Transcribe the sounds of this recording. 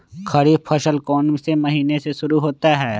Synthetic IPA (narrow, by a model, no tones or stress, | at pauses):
kʰɐɽiːpʰəʃəlkɔːnsemɐɦiːneseʃʊɾuɦoːt̪aɦɛː